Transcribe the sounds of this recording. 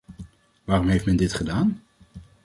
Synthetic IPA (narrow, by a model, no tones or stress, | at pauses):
ʋaːrɔmɦejftmɛndɪtχədaːn